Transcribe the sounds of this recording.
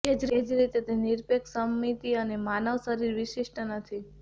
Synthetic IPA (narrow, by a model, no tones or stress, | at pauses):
ed͡ʒɾed͡ʒɾit̪et̪eniɾpeksəmːit̪iənemanəʋsəɾiɾʋiʃiʃʈənət̪ʰi